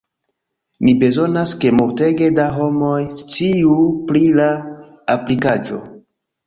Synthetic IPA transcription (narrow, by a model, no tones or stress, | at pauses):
nibe̞zo̞naske̞muɾte̞ɡe̞daɦo̞mo̞jst͡siupɾilaː | plikad͡ʒo̞̰